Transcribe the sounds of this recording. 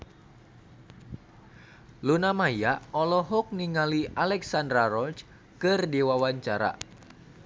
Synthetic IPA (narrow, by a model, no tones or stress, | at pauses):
lunamajaɔlɔɦɔk̚niŋalialɛksandɾaɾɔt͡ʃ | kɨrdiwawaɲt͡ʃaɾa̰